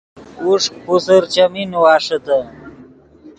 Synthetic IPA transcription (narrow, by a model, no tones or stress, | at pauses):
uʂpusɐɾt͡ɕɐminuwaːʂɐt̪ɐ